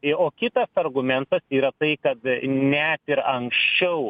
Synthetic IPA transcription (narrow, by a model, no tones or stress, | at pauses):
oːkʲɪt̪ɐsɐrɡʊmʲɛnt̪ɐsiːɾɐt̪ɐɪkɐt̪nʲɛt̪ɪɾɐŋksʲt͡ʃʲɛʊ